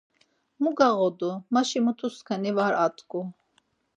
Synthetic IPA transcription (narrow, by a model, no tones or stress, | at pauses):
muɡaʁɔd̪umaʃimut̪ʰuskʰanivaɾat̪ʼkʼu